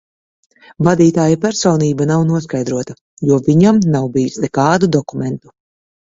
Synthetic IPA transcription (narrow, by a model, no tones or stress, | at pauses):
vad̪iːt̪aːjapʲæɾsɔːniːbanawnuɔskajd̪ɾuɔt̪a | juɔviɲamnawbijusnɛkaːd̪ud̪ɔkumɛnt̪u̥